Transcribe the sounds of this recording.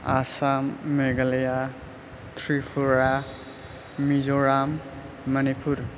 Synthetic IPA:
asamːeɡaleja | tʰɾipʰuɾa | mizɔɾamː | ɐnipʰuɾ

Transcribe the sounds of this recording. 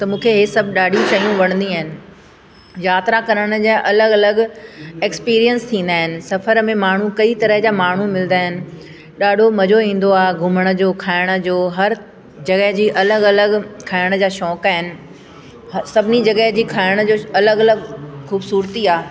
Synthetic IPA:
t̪ɐmũːkʰeɦesɐbʱɗaːɖʱit͡ɕɐijũʋɐɽ̃nd̪iaːɦɪnɪ̆ | jaːt̪ɾakɐɾəɽ̃ə̆d͡ʑaːʔɐləɡɐləɡekspiːɾijənst̪ʰĩːn̆d̪aːɦɪnɪ̆sɐfəɾmẽmaːɳ̤ukɐit̪ɐɾəɦd͡ʑamaːɳ̤umɪlnd̪aːɦɪnɪ̆ | ɗaːɖʱomɐd͡ʑoĩːn̆d̪oaːɡʱʊməɽ̃əd͡ʑoːkʰaːɪɽ̃ə̆d͡ʑoːɦɐɾ | d͡ʑɐɡəɦd͡ʑiːʔɐləɡɐləɡkʰaːɪɽ̃əd͡ʑaːʃɔːkaːɦɪnɪ̆ | sɐbʱɪnid͡ʑɐɡəɦd͡ʑiːkʰaːɪɽ̃ə̆d͡ʑoːɐləɡɐləɡxuːbsuːɾt̪iaː

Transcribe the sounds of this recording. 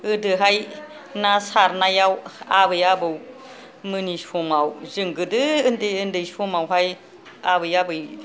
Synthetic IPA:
ɯdɯɦaj | nasaɾnajawaβɯjabɯw | mɯnisɔmawzɯŋɡɯdɯɯndeɯndɯjsɔmawɦaj | abɯjabɯj

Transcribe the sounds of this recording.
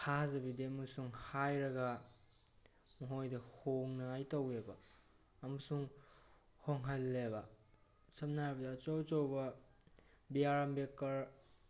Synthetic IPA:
kʰazɐbidemɐsuŋhajɾɐɡa | mɐɦojdɐhoŋnaajtawebɐː | mɐsuŋ | hoŋɦɐlːebɐ | sɐp̚naɾbɐdat͡ʃowt͡ʃowbɐ | biaɾambekːɐɾ

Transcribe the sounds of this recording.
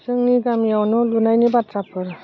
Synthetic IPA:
sɯŋniɡamjawnɔlunajnibatɾapʰɯɾ

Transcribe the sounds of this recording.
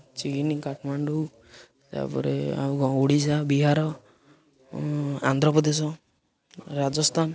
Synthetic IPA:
t͡ʃinikaʈʰmaɳɖu | t̪a̰pɔ̰ɾḛa̰kɔoɽisabiɦaɾɔ | a̰nd̪ɾɔpɔd̪esɔ | ɾad͡ʒɔst̪ʰan

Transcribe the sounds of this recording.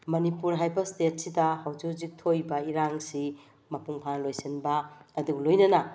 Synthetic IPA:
mɐnipuɾɦajbɐstet̚sidɐhawd͡ʒuzik̚tʰojbɐiɾaŋsi | mɐpuŋpʰanlojsenbɐɐduɡlojnɐnɐ

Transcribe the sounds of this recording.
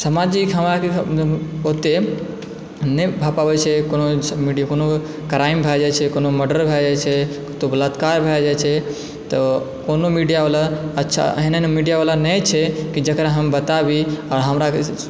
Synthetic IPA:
səmad͡ʒikɦəmɾake | ot̪e | nebʱapabət͡ʃʰekonomiɖikono | kɾaɪmbʱad͡ʒajt͡ʃʰekonoməɖəɾbʱad͡ʒajt͡ʃʰe | t̪obələt̪kaɾbʱad͡ʒajt͡ʃʰe | t̪o | konomiɖijaʋalaətːʃʰa̰ɦinenemiɖijaʋalanɛt͡ʃʰekid͡ʒəkɾaɦəmbət̪abiaːɾɦəmɾak

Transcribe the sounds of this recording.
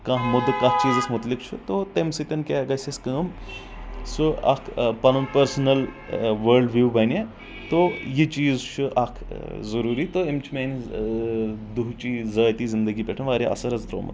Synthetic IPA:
kɐ̃ɦmʊd̪kɐɦt͡ʃiːzɐsmʊt̪likt͡ʃʰut̪ot̪emsɨt̪ʲɐnkʲeːɡɐsʲeskəːm | suɐ̰kʰpɐnumpɐɾsnɐl | ʋəɾɖʋjuːbɐnʲe | t̪ojit͡ʃiːzt͡ʃʰuʔɐkʰzɐɾuːɾiːt̪oemt͡ʃʰimeːn | d̪uɦt͡ʃiːzɐːjt̪iːzɪnd̪əɡiːpʲeʈʰɐnʋaːɾʲiɐ̰sɐɾɐzd̪ɾo̰ːmɐ̰t̪

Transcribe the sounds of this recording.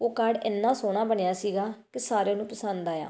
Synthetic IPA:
oːkəɽɪnːãːsoːɽ̃aːbəɳɪjaːsiːɡaːkɪsaːɾeːnũːpəsənd̪aːja̰ː

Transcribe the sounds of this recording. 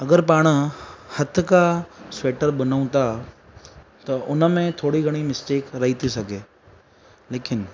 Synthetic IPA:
ɐɡəɾpaːɽ̃əhɐt̪̆ʰkasʋeːʈəɾɓɐn̤ũt̪a | t̪ɐʔʊnə̆mẽt̪ʰoːɽiɡʱɐɽ̃imɪsʈeːkɾɐɦit̪ʰisɐɡʱeː | leːkɪn

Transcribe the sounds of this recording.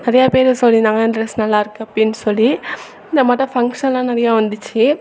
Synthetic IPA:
nɪɾɐjaːpeːɾɯsɔlːinãːŋɡɐɪnɐɾɐsnɐlːaːɪɾɯkːɯɐpːɐɽɪnːɯsɔlːi | ɪnd̪ɐmaːʈːɐ̃fɐŋkʂɐnlãːnɪɾɐjaːʋɐnd̪ɯt͡ʃːɯ

